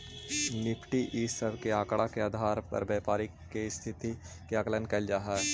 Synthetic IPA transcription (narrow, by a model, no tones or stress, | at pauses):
nɪpʰʈiʔisəɾkeaːkɽakeaːd̪ʱaːɾpɐ̰ɾbjɛːpaːɾɪkː | est̪ʰɪt̪i | keaːklənkɐld͡ʒaːɦɛː